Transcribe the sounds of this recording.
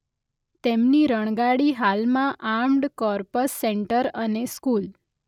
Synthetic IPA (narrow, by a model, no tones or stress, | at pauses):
t̪emniɾəɽ̃ɡaɽiɦalmãʔamɖkɔɾpəsːeɳʈəɾəneskul